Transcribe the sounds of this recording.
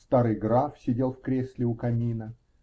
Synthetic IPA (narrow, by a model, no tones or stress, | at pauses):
st̪aɾɨjɡɾafsʲɪdʲe̞lˠfkɾʲesʲlʲɪʊkɐmʲinə